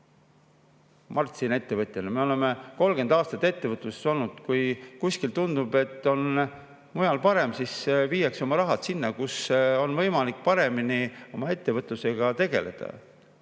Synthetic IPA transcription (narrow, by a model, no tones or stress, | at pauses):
mʔɑrt̪sine̞t̪ːe̞vɤt̪jenɑmeo̞le̞meko̞lɡ̥end̪ɑːst̪ɑt̪ːˑe̞t̪ːe̞vɤt̪ˑluse̥so̞lnud̪̥kujkusʲkilt̪und̪ube̞t̪ːˑo̞n | mujɑlpɑɾe̞msisviːjɑkso̞mɑɾɑɦɑt̪sinːɑkuso̞nvɤ̞jmɑlikːˑpɑɾe̞minio̞mɑe̞t̪ːe̞vɤt̪ˑluse̞ɡ̥ɑt̪e̞ɡ̥e̞le̞̰d̪̥ɑ̰